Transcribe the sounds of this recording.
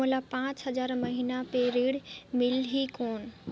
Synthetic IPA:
olapãːt͡ɕɦɐzaːɾmɐɦiːnapeɾeːɽmɪlɦikoːn̆

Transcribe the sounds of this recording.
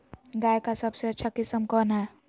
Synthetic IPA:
ɡajkasəbseətːt͡ʃʰakisəmkɔna

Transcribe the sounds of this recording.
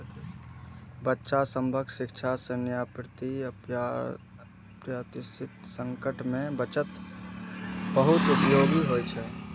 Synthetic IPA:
bətːʃasə̃mbʱəkʃɪkt͡ʃʰasənjapɾɪt̪iə | pɾət̪ɪsʰɪt̪sə̃ŋkəʈmẽbət͡ʃət̪ | bəɦʊt̪upəjoːɡiɦot͡ʃʰɛ

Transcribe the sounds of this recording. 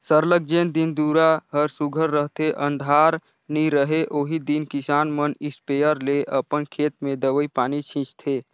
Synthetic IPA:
səɾləɡ̚d͡ʒeːnd̪ɪnd̪uːɾaɦəɾsʊɡʱəɾːəɦt̪eʔə̃nd̪ʱaːɾ | niɾəɦeʔoːɦid̪inkɪsaːnmənɪspeːjəɾleʔəpənkʰeːt̪mẽd̪əʋəipaːnit͡ʃʰĩt͡ʃt̪ʰeː

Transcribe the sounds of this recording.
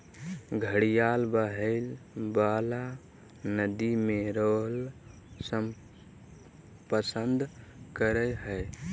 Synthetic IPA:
ɡʱəɽijalbəɦəɪlbala | nəd̪imeɾoɦl | səm | pəsənd̪ʱkəɾɛɦəɪ

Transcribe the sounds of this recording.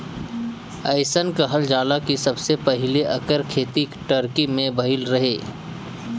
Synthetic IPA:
ɐɪsənkaɦəld͡ʒaːlakisɐbsepɐɦɪleʔɐkəɾkʰeːt̪iʈəɾkimẽbɐɦɪlɾɐɦeː

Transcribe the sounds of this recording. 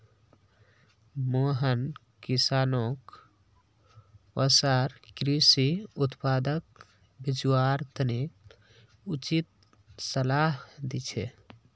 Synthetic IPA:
moɦən | kisanok | əsaɾkɾisiut̪pad̪ək̚ | bid͡ʒwaɾt̪əne | ut͡ʃit̪̚ | səlaɦd̪it͡ʃʰɛ

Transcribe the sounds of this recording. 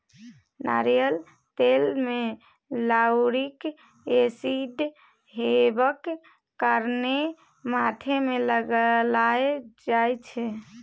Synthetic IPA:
na̰ɾijəl | t̪elme | lawɾik | esiɖ | ɦebəkː | əɾne | mat̪ʰemeləɡəlaed͡ʒajt͡ʃʰɛ

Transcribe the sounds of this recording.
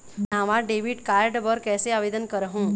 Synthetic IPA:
naʋaɖeʋiɖkaɾɖʋəɾkɛseaʋed̪ənkəɾɦũ

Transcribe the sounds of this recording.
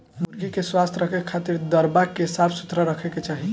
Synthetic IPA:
muɾɡikeswast̪ʰɾəkʰɛkʰat̪iɾd̪əɾbakesabsu̥t̪ɾəɾəkʰɛket͡ʃaɦi

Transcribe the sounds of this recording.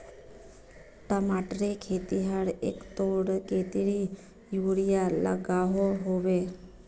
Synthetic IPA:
ʈəmaʈɾekʰet̪iɦəɽḛkt̪oɽket̪iɽi | juɽijala̰ɡaɦoɦoʋe

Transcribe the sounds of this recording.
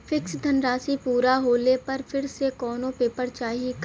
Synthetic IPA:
fʰɪksd̪ʱɐnɾaːsipuːɾaɦoːlepɐɾfʰɪɾsekɔːnõpeːpəɾt͡ʃaːɦik

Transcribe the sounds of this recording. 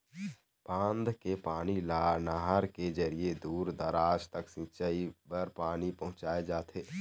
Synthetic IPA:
pãːnd̪ʱkepaːnilnaɦaɾked͡ʒəɾied̪uːɾd̪əɾaːd͡ʒt̪əksɪ̃t͡ʃaibəɾpaːnipəɦʊ̃t͡ʃaːed͡ʒaːt̪ʰeː

